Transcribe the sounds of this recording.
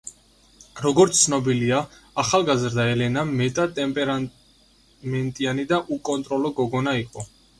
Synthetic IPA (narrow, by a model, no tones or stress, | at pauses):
ɾɔɡɔɾt̪ssʰnɔbiliaːχalˠɡazɾd̪aɛlɛnamɛt̪ʼat̪ʼɛmpʼɛɾa | mɛnt̪ʼianid̪aʔukʼɔnt̪ʼɾɔlɔɡɔɡɔnaiqʼɔ